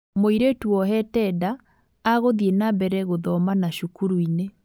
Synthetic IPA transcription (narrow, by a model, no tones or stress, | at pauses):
moiɾetuɔɦɛtɛdaː | ɣoðienabɛɾɛɣoðɔmanaʃukuɾuine